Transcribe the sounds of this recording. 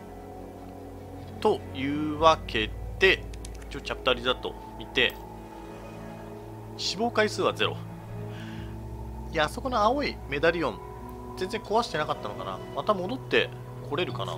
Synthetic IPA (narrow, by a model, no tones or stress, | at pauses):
t̪o̞jɯ̟ːβakʰe̞d̪̥e̞ | ɸɯ̟̥t͡ɕot͡ɕapɯ̟̥t̪aɾʲizat̪o̞̰ | mʲit̪e̞ | ɕibo̞ːkaisɨːβaze̞ɾo̞̰ | iaso̞ko̞noao̞ime̞d̪aɾʲijõ̞n | z̥end͡zẽ̞ŋko̞βaɕi̥t̪e̞nakat̪ːano̞kana̰mat̪amo̞d̪o̞t̪ːe̞ | kʰo̞ɾe̞ɾɯ̟kana̰